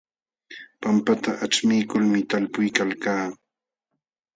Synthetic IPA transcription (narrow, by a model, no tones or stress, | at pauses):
pampat̪aʔat͡ʃmɪjkʊlmɪt̪alpʊjkalkaː